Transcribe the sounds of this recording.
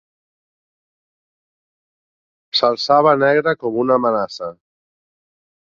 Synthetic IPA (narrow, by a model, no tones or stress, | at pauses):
salˠsaβənɛɣɾəkɔmunamənasə